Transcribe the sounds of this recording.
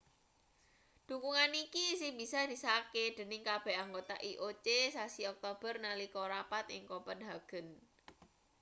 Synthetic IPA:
d̪̥ṳkuŋanikisɪbi̤sad̪̥i̤saked̪̥ə̤nɪŋkab̥ɛ̤haŋɡot̪a̰ʔiʔot͡ʃesasiɔk̚t̪ob̥ərnalikoɾapat̪ɪŋkopənɦaɡ̥ə̤n

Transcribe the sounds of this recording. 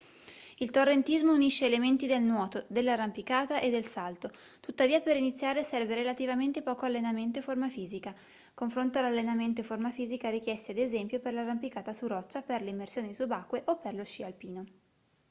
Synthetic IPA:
ilt̪orːent̪izmouniʃːeːlement̪id̪elnwɔːt̪od̪elːarampikaːt̪aʔed̪ːelsalt̪o | t̪ut̪ːaviːapeɾinit̪sːjaːɾesɛrveɾelat̪ivament̪epɔːkoalːenament̪̬oeformafiːzika | koɱfɾont̪oalalːenament̪̬oeformafiːzikaɾik̟jɛst̪ed̪ezɛmpjoperlarampikaːt̪asurɔt͡ʃːaperleimːersjoːnisubakːweʔopːerloʃːialpiːno

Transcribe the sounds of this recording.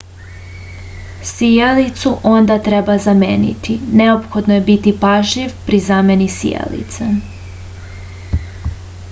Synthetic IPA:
sijalit̪suʔo̞nd̪at̪ɾe̞bazamḛːnḭt̪ʰine̞opxo̞d̪noje̞bit̪ipaʒiʋpɾizame̞nisḭja̰lḭt̪se

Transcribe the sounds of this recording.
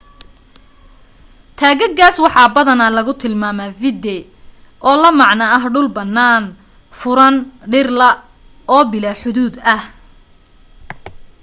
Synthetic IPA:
t̪ʰaːɣɐɡaːswɑħɑːbɐðɐnɐlɐɣʊt̪ʰɪlmaːmɐvɪd̪ɛ | ʔɔːlɐmɑʕnɐɐɦɖʊlbɐnːaːn | fʊɾɐnɖɪrlɐ | ɔːbɪlaːħʊðuːd̪ɐh

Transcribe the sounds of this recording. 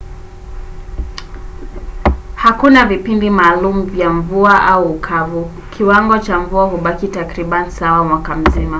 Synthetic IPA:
hakunavipindimaːlumuvjaɱvuaʔauːkʰavu | kʰiwaŋɡɔt͡ʃaɱvuaɦuɓakitakɾiɓanisawamwakam̩zima

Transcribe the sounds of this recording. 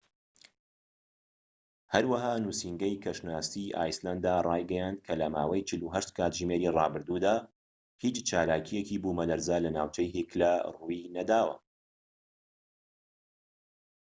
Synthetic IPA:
hɐɾwɐɦaːnuːsiŋɡɐjkʰɐʃnaːst̪iːʔa̰ːjsland̪arˤɑːjɡɛjaːnd̪̚kʰɐlɐma̰ːwɐjt͡ʃʰɨluɦɐʃt̪kʰaːt̪ʒɨmeɾiːrɑːbɨɾd̪uːd̪aː | hiːt͡ʃt͡ʃaːlaːkʰijeciːbuːmɐlɐɾzaːlɐnaːwt͡ʃɐjɦiklarujinɐd̪aːwɐ̰

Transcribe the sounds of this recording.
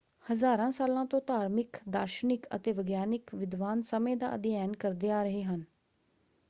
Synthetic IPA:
həzaːɾãːsaːlãːt̪õːt̪aːɾmɪkd̪aːɾʃənɪkə̰t̪eːʋəɡjaːnɪkʋɪd̪ʋaːnsəmẽːd̪a̰ːə̰d̪jɛːnkəɾd̪eːaːɾəɦeːɦən

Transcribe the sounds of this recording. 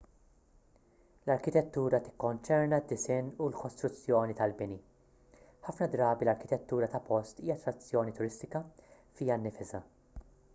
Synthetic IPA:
lɐɾkɪt̪ɛt̪ːuːɾɐt̪ɪ̥kːɔnt͡ʃɛɾnɐd̪ːɪsɪnːulkɔst̪ɾʊt͡sːjɔːnit̪ɐlbɪni | ħɐfnɐd̪ɾɐːbilɐɾkɪt̪ɛt̪ːuːɾɐt̪ɐpɔst̪iːjɐt̪ɾɐt͡sːjɔːnit̪ʊɾɪst̪ɪkɐ | fijɐnːɪfɪzɐ

